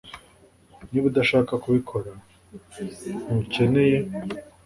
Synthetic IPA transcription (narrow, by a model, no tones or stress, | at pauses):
niβudaʃaːkakuβikʰo̞ɾa | uuce̞ne̞je̞